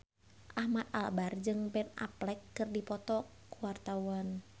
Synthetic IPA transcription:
ʔahmat̪̚albard͡ʒɨŋbɛna̰plɛkːɨrdipɔt̪ɔkuwart̪awan

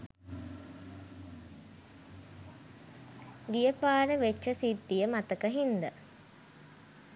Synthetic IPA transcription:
ɡijəpaːɾəʋet͡ʃːəsid̪ːijəmat̪əkəɦind̪ə

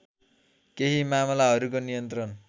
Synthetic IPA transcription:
keɦimamlaɦʌɾukonijʌnt̪rʌn

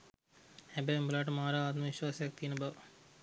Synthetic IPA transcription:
hɛbemulaʈmaːɾaːt̪mɐʋiʃwaːsjɐk̚t̪iːnɐbɐ

